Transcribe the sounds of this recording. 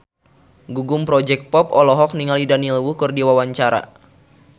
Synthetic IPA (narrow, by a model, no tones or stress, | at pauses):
ɡuɡumpɾɔd͡ʒɛk̚t̪̚pɔpɔlɔɦɔk̚niŋalidanilwuhkɨrdiwawaɲt͡ʃaɾa̰